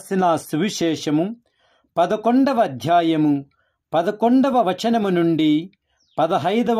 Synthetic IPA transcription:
sinasuʋiʃɛːʂɐmu | pɐd̪ɐkoɳɖɐʋɐːd̪ʱjaːjɐmu | pɐd̪ɐkoɳɖɐʋɐʋɐt͡ʃɐnɐmunuɳɖi | pɐd̪ɐɦɐjd̪ɐ

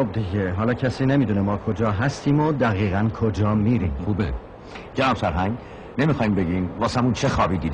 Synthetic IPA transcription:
xob̚d̪iɟeɦɒːlɒːcʰæsiːnemiːd̪uːnemɒːkʰo̞d͡ʒɒːɦæst̪ʰiːmod̪æɣiːɣænkʰod͡ʒɒːmiːɾḭːmxube | d͡ʒænɒmsæɾɦæŋɡ | nemixɒːimbeɡimvɒːsæmunt͡ʃʰexɒːbiːd̪iːd̪

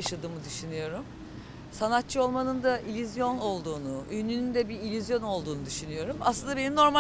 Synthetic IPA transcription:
aʃad̪ɯːmɯd̪yʃynɯjo̞ɾum | sanat̪̚t͡ʃʰɯo̞lˠmanɯnd̪aʔilʲyzjo̞no̞lˠd̪uːnuynynynd̪ɛbiilʲyzjo̞no̞lˠd̪uːnud̪yʃynɯjo̞ɾumaslˠɯnd̪abe̞nimno̞ɾma

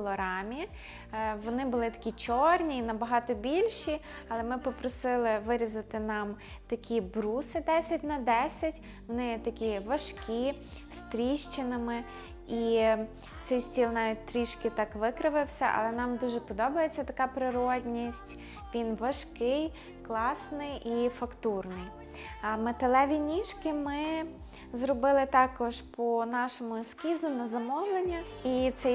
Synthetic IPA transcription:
lˠɔɾɑmʲi | ʋɔnɪbʊlˠɪt̪ɐ̥kʲit͡ʃɔrnʲiːnɐbɐɦɑt̪ɔbʲilʲʃi | ɐlˠɛmɪpɔpɾɔsɪlˠɪʋɪɾʲizɐt̪ɪnɑm | t̪ɐkʲʰibɾusɪd̪ɛsʲɐtʲnɐd̪ɛsʲɐtʲ | ʋɔnɪjt̪ɐkʲiʋɐʃkʲi | st̪ɾʲiʃt͡ʃɪnɪmɪ | i | t̪sɛjsʲtʲilˠnɑʋʲitʲt̪ɾʲiʃkɪt̪ɑkʋɪkɾɪʋɪwsʲɐʔɐ̰lˠɛnɑmd̪uʒɛpɔd̪ɔbɐjet͡sʲːɐt̪ɐkɑpɾɪɾɔdʲnʲisʲtʲ | ʋʲinʋɐʃkɪj | klˠɑsnɪjifɐkt̪urnɪj | met̪elˠɛʋʲinʲiʃkɪmɪ | zrɔbɪlˠɪt̪ɑkɔʒpɔnɑʃɔmʊskʲizʊnɐzɐmɔwlˠenʲːɐ | it̪sɛj

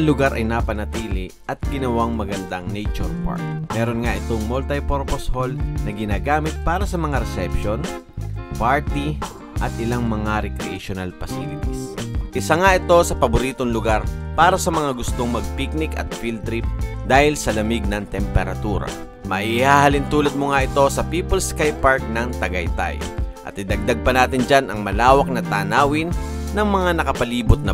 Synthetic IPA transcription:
ɐŋlʊɡaɾʔɐjnapɐnɐt̪iːlɪ | ʔɐt̪̚ɡɪnɐwaŋmɐɡɐnd̪aŋnejt͡ʃʊɾpa̰ɹk̪̚mɛːɾonŋaʔɪt̪o̞ŋmolt̪ɐjpoɾposholnɐɡɪnaːɡaːmɪt̪̚paːɾɐsɐmɐŋaɾɛsɛpʃon | paɹt̪i | ʔɐt̪̚ʔɪlaŋmɐŋaɾɛkɾɛ̰ʔḛʃonalpɐsḭlɪt̪isʔɪsaŋaʔɪt̪o̞sɐpɐbʊɾiːt̪oŋlʊɡaɾpaːɾɐsɐmɐŋaɡʊst̪o̞ŋmɐɡ̚pik̚nɪkɐ̰t̪̚filt̪ɾip̚d̪aːhɪlsɐlɐmɪɡ̚nɐŋt̪ɛmpɛɾɐt̪uːɾɐ̰ | mɐʔihaːhɐlɪnt̪uːlɐd̪̚moŋaʔɪt̪o̞sɐpiːpɐlskajpaɹk̚nɐŋt̪ɐɡɐjt̪a̰jʔɐ̰t̪̚ːɪd̪ɐɡ̚d̪aɡ̚pɐnaːt̪ɪnd͡ʒanɐŋmɐlaːwɐk̚nɐt̪aːnaːwɪnː | ɐŋmɐŋanɐkɐpɐliːbʊt̪̚nɐ

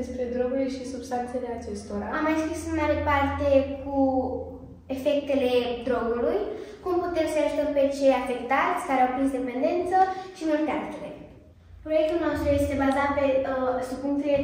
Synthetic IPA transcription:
spɾed̪ɾoɡuɾʲʃisubst̪ant̪seleat͡ʃe̞st̪oɾa̰amajskʲisemnaɾepart̪e̞ku | efe̞kt̪e̞le̞d̪ɾoɡulujkumput̪e̞msəjaʒut̪əmpet͡ʃeafe̞kt̪aɾʲsaɾawpinzd̪e̞pe̞nd̪e̞nt̪səʃimult̪eakt̪uɾe | pɾo̞jek̚t̪ulno̞st̪ɾuje̞st̪e̞bazat̪̚pe̞sukunfie

